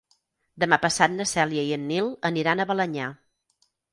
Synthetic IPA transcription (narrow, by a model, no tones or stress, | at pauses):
d̪əmapəsat̪̚nəsɛljəiənːilˠəniɾanəβələɲa